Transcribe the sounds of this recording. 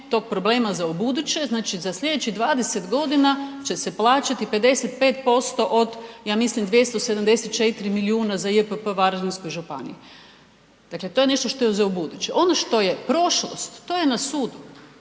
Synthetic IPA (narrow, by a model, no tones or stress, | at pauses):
t̪o̞ːɡ̚pɾoble̞ːmazaubud̪ut͡ɕe̞znaːt͡ʃizaslʲʎʲe̞d̪et͡ɕid̪ʋaːd̪e̞set̪ɡo̞d̪inat͡ɕe̞se̞plˠaːt͡ɕat̪ipe̞d̪e̞set̪̚pe̞ːt̪̚po̞st̪o̞ʔod̪jaːmislimd̪ʋje̞st̪ose̞d̪amd̪eset̪̚t͡ʃet̪iɾimiliuːnazaiepəpəʋaɾlinskojʒupanḭju | d̪̥akle̞t̪oje̞ne̞ʃt̪oʃt̪o̞jeuzaubud̪ut͡ɕeʔo̞noʃt̪o̞je̞pɾo̞ʃlo̰st̪ːo̞je̞nasuːd̪u